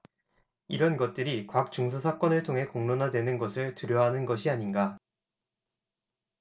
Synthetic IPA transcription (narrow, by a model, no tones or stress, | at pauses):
iɾʌnɡʌt̚t͈ɯɾikwak̚t͡ɕ͈uŋs̬ʰasʰak͈ʌnɯɭtʰoŋɦe̞koŋnonɦadwe̞nɯnɡʌsʰɯɭtɯɾjʌɦanɯnɡʌɕʰiaɲinɡa